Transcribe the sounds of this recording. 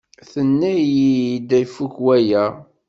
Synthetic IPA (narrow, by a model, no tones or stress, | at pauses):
θənːæjid̪æjfukwæjæ